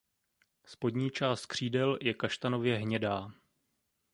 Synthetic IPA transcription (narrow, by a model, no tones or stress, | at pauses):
spo̞dɲiːt͡ʃaːst̪̚kr̝̥iːdɛljɛkaʃt̪ano̞vjɛɦɲɛdaː